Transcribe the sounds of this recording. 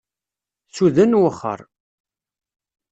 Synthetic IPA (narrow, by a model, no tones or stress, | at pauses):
θuðənwəχːə̰ɾˤ